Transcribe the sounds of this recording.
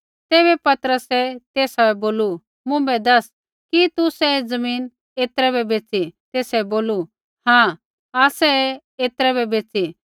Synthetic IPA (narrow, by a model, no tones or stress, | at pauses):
t̪eːβɛpɐt̪əɾəsɛt̪eːsaɛboːlu | mʊ̃bɛd̪ɐs | kit̪usɛd͡zɐmiːn | eːt̪ɾɛbɛbeːt͡sit̪eːsɛboːlu | hãː | aːsɛ | eːt̪ɾɛbɛbeːt͡si